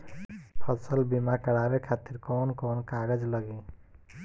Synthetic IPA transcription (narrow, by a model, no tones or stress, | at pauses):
pʰʌsəlbimakəɽaɾekʰat̪iɾkɔːnkɔːnkaɾed͡ʒləɡi